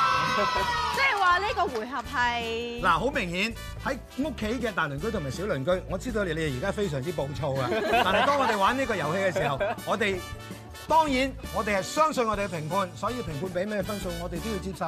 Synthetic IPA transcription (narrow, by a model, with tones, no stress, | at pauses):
t͡sɛː˥˨jwaː˨liː˥kɔː˧wuː˨˩jɦɐ˨p̚ɦɐ˨jlaː˨˩ɦo˨˥wmɪ˨˩ŋhiː˨˥n | hɐ˨˥j | ŋʊ˥kʰːe˨˥jkɛː˧t̪aː˨jlɵ˨˩nkɵ˥ɥt̪ʰmaː˨˩siː˨˥wlɵ˨˩nkɵ˥ɥŋɔː˨˧t͡siː˥d̪o˧wle˨˧le˨˧˨jiː˨kaː˥fe˥js̬œː˨˩ŋt͡si˥p̬o˨˧wt͡ʃʰo˧wa˧aː˨nɦt̪ɔː˥ŋɔ˨˧t̪e˨jwaː˨˥niː˥kɔː˧jɐ˨˩whe˧jkɛ˧siː˨˩ɦɐ˨˩wŋɔː˨˧t̪e˨j | t̪ɔː˥ŋjiː˨˥nŋɔː˨˧t̪e˨jhɐ˨jsœː˥ŋsɵ˧nŋɔ˨˧t̪e˨jɡɛ˧pʰɪ˨˩ŋpʰuː˧nsɔː˨˥jiː˧pʰɪ˨˩ŋpʰuː˧npe˨˥jmɛː˥ɛ˧fɐ˥nso˧wŋɔː˨˧t̪e˨jt̪o˥wjiː˧t͡siː˧p̚sɐ˨˧